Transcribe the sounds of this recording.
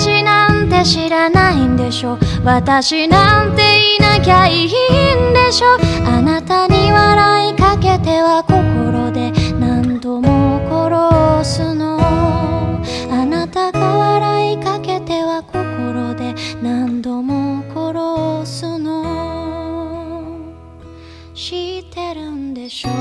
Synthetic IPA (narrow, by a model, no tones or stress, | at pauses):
inãnt̪e̞ɕiɾanaĩnd̪e̞ɕo̞ | βat̪aɕinãnt̪e̞inakʲaiɦiind̪e̞ɕo̞anat̪aɲ̟iβaɾaikake̞t̪e̞βako̞ko̞ɾo̞d̪e̞nãnd̪o̞moko̞ɾosɨno | anat̪aɡaβaɾaikake̞t̪e̞βakʰo̞koɾo̞d̪e̞nãnd̪o̞mokʰoɾosɨno | ɕit̪e̞ɾɯ̟nd̪e̞ɕo